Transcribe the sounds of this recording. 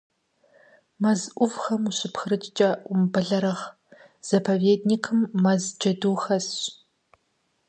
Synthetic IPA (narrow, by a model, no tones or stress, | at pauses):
mɐzʔʷʊvxɐmuɕɪpxɨɾɨt͡ʃʼt͡ʃʼɐʔʷʊmbɐɮɐɾɐʁ | z̥ɐpʰɐveːdnikʰɨmːɐzd͡ʒɐduːxɐsɕ